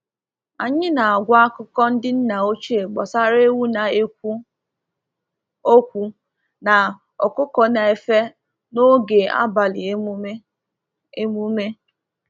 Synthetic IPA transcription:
a˨ɲɪ˦na˨a˨ɡʷa˦a˦kʊ˦kɔ˦n̩˦dɪ˦n̩˦na˨o˦t͡ʃi˦e˨ɡ͡bɔ˨sa˦ɾe˦wu˦na˨˦ | o˦kʷu˨ | na˨ | ɔ̰˨kʊ˦kɔ˨na˨e˨fe˦ | no˦ɡe˨a̰˦ba˨lɪ˨˦ | e˦mu˦me˦

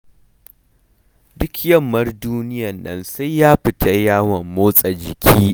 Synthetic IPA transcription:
dʊ˦kjɐ˦˨mːɐ˦rduː˦nɪ˦jɐ˨nːɐ̰˦nsa˦jjaː˦ɸɪ˨tʰɐ˦jaː˦wɐ˨mːoː˦sʼɐ˨d͡ʒɪ˨kʲʰiː˦

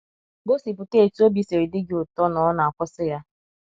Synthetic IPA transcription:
ɡo˦si˨pʊ˨ke˦˨tu˦o˦bi˦se˨ɾi˨dɪ˦ɡɪ˦ʊ˨tɔ˦nɔ˦ɔ˦na˨a˨kʷʊ˦sɪ˦ja˦

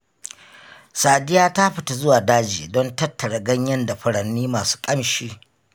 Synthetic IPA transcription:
saː˨dɪ˦jaː˦ta˦ɸɪ˨ta˨zʊ˦waː˨daː˦d͡ʒḭː˨dɔ˦ntɐ˦tːɐ˨ɽa˨ɡɐ˦ɲjɐ˦nda˨ɸʊ˨ɽɐ˨nːiː˦maː˨su̥ː˦kʼɐ˦mʃiː˦

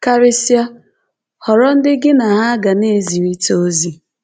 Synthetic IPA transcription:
ka˦ɾɪ˦sja˦ | hɔ˨ɾɔ˦n̩˦dɪ˦ɡɪ˦na˨ɦa˦ɡa˨ne˦˨zi˨ɾi˦to˦zi˨

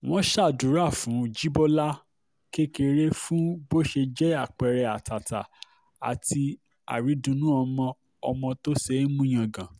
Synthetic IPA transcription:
w̃ɔ̃˦ʃa˦˨dũ˨˦ɾa˦˨fũ˨˦d͡ʒi˦bɔ˦la˦ | ke˦ke˧ɾe˦fũ˦bo˦ʃe˧d͡ʒɛ˦a˦˨k͡pɛ˨ɾɛ˧a˨ta˨ta˨ | a̰˨tʰi˧ | a̰˨ɾi˨˦dũ˧nũ˦ɔ˧mɔ̃˧ | ɔ˧mɔ̃˧to˦se˦mũ˦j̃ã˧˨ɡã˨

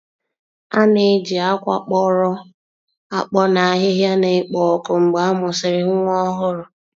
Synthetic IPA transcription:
a˦ne˨d͡ʒi˨a˦kʷa̰˦k͡pɔ˦ɾɔ˦ | a˨k͡pɔ˦na˨a˨ɦɪ˦ɦja˦ne˨ɪ˨k͡pɔ˨ɔ˨kʊ˨ŋ͡m̩˨ɡ͡ba˨a˦mʊ˨sɪ˨ɾɪ˦ɦʊ˦ŋʷɔ˦ɦʊ˦ɾʊ˨

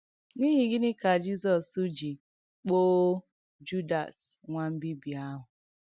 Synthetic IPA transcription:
ni˦ɦi˨ɡɪ˦nɪ˦ka˨d͡ʒi˦zɔ˨su˦d͡ʒi˨ | k͡po˦ | d͡ʒu˦da̰˨sŋʷa˦m̩˦bi˦bi˨a˦ɦʊ˨

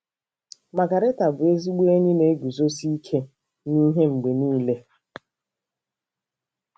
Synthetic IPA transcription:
ma˨ɡa˨ɾe˦ta˨bʊ˨e˦zi˦ɡ͡be˦ɲi˦ne˨˦ɡu˨zo˦si˦kʰe˦ | ni˦ɦe˦ŋ͡m̩˨ɡ͡be˨niː˦le˦

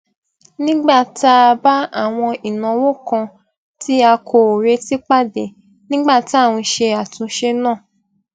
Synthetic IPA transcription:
nĩ˦ɡ͡ba˦˨ta˦˧ba˦a˦˨w̃ɔ̃˧i˨nã˨wo˦˨kã˧ | tʰi˦a˧kʰo˧˨ɾe˧ti˦k͡pa˦˨de˨ | nĩ˦ɡ͡ba˦˨ti˦a˦˨w̃ɔ̃˧ʃe˧a˨tũ˧ʃe˧˦nãː˦˨

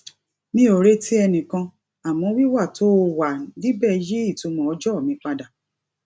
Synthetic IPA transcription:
nĩ˧˦o˨ɾe˦tʰi˦ɛ˧nĩ˨kã˧ | a˨mɔ̃˧˦wi˦wa˦˨to˨˦˨wa˨nĩ˦bɛ˦˨ji˦i˦˨tũ˧˦mɔ̃˨ɔ˧d͡ʒɔ˦˨mĩ˨˧k͡pa˧da˨

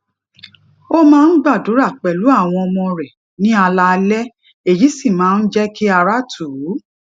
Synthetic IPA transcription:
o˦mãː˦n̩˦ɡ͡ba˦˨du˨˦ɾa˦˨k͡pɛ˨lu˨˦a˦˨w̃ɔ̃˧ɔ˧mɔ̃˧ɾɛ˨ | nĩ˦a˧la˧lɛ˦ | e˨ji˨˦si˦˨mãː˨˦n̩˦d͡ʒɛ˦ki˦a˧ɾa˦tʰu˨˦

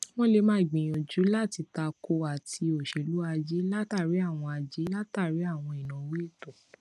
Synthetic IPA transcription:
w̃ɔ̃˦le˧mãː˦i˨ɡ͡bĩ˨j̃õ˨d͡ʒu˨˦la˦˨ti˧ta˧ko˧a˨ti˧o˨ʃe˨lu˨˦a˧d͡ʒe˦la˦ta˦˨ɾi˨˦a˦˨w̃ɔ̃˧a˧d͡ʒe˦la˦ta˦˨ɾi˨˦a˦˨w̃ɔ̃˧i˨nã˨˦we˦i˦˨to˨

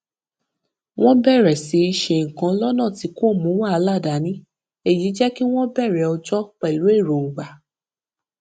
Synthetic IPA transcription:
w̃ɔ̃˦bɛ˦˨ɾɛ˨si˨˦i˧ʃe˧˨ŋ̩˨kã˧˦lɔ˦nãː˦˨ti˨˦ko˦˨mũ˨˦wa˦˧˦la˦˨da˨˦nĩ˦ | e˨ji˨˦d͡ʒɛ˦ki˦w̃ɔ̃˦bɛ˦˨ɾɛ˨ɔ˧d͡ʒɔ˦k͡pa˧i˨lo˨˦e˦˨ɾo˨ɡ͡ba˨˦

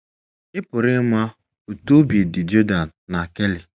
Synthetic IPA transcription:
ɪ˦pʊ˨ɾɪ˦ma˦ | o˨to˦bi˨dɪ˨d͡ʒo˦da˨na˨ke˦li˨

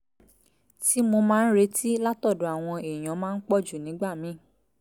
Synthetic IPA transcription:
ti˨˦mo˧mãː˦˧n̩˦ɾe˧˦ti˦la˦tɔ˦˨do˨a˨w̃ɔ̃˧e˨j̃ã˨˦mãː˦˧n̩˦k͡pɔ˦˨d͡ʒu˨nĩ˨˦ɡ͡ba˦˨mĩ˨˦˨

